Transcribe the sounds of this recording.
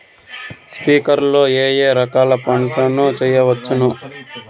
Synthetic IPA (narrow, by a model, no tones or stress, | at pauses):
spiːkɐɾlo̞ːeːjeːɾɐkaːlɐpɐɳʈɐnut͡ʃɛːjːɐʋɐt͡ʃːunu